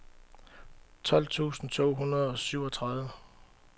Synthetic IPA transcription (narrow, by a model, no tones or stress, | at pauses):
t͡sʰɒ̽l̰t͡sʰṵːsn̩t͡sʰo̝̰ːɦunɐð̞ˠɒ̽syʊ̰ɒt͡sʰʁaðˠʋə